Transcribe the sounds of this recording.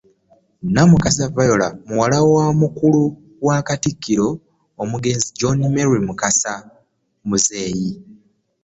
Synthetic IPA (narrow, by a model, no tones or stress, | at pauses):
namukas̬avajo̞lamuwalawaːmukulu | waːkatikːiɾo̞ː | muɡe̞ːnzid͡ʒonimeɾimukasa | muze̞ːji